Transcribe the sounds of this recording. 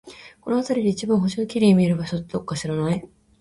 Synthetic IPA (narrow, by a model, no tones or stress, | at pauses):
ko̞no̞at̪aɾʲid̪eit͡ɕibãɰ̃ɦo̞ɕinokʲiɾʲiːmʲieɾɯ̟baɕot̪ed̪okːaɕiɾanai